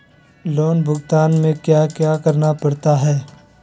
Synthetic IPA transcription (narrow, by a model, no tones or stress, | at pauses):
loːnbʱʊɡt̪aːnmẽkjaːkjaːkəɾnapɐɽt̪aɦɛː